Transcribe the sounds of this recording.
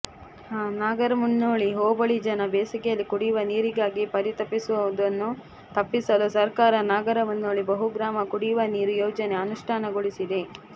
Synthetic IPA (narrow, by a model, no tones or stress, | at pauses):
haːnaːɡɐɾɐmunːoːɭiɦoːbɐɭid͡ʒɐnɐbeːsɐkɛjɐlːikuɽijʋɐniːɾiɡaːɡipɐɾit̪ɐpːisuʋɐd̪ɐnːu | t̪ɐpːisɐlusɐɾkaːɾɐnaːɡɐɾɐmɐnːoːɭibɐɦuɡɾaːmɐkuɽijʋɐniːɾujoːd͡ʒɐneɐnuʂʈʰaːnɐɡoɭisid̪e̞